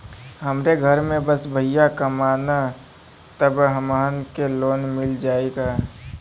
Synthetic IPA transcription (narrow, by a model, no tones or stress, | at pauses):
ɦəmɾeɡʱəɾmẽbəsbʱəɪjakəmaːna | t̪əbɦəmaːnkeloːnmɪld͡ʒaːeɡaː